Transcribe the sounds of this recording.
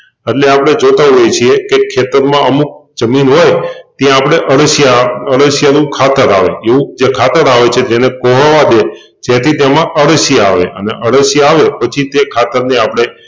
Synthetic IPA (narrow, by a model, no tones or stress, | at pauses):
əʈleapɽ̃ed͡ʒot̪aɦojet͡ʃʰiekekʰːet̪əɾmãəmuk̚d͡ʒəminɦojt̪jãapɽ̃eʔəɽəʃijaəɽəʃijanũkʰat̪əɾaʋḛeũd͡ʒekʰat̪əɾaʋet͡ʃʰed͡ʒenekoɦaʋad̪e | d͡ʒet̪ʰit̪emãʔəɽəʃijaa̰ʋḛə̰neʔəɽəʃjaʋepət͡ʃʰit̪ekʰat̪əɾneapɽ̃e